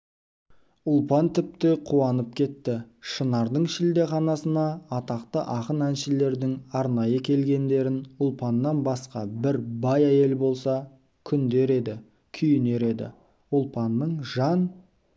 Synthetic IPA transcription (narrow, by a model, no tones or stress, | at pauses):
ʊlˠpɑnt̪ʰɪp̚t̪ɪqʰuɑnəp̚kʲʰe̞t̪ːɪ | ʃənɑɾd̪əɴʃɪld̪e̞χɑnɑsənɑːt̪ɑqt̪əʔɑqənænʃɪle̞ɾd̪ɪŋɑɾnɑjəkʲʰe̞lɡʲe̞nd̪e̞ɾɪnʊlˠpɑnːɑnbɑsqɑbɪɾbɑjæje̞lbo̞lˠsɑ | kʲʰʏnd̪e̞ɾe̞d̪ɪ | kʲʰʏjɪne̞ɾe̞d̪ɪ̰ | ʊlˠpɑnːəɴʒɑn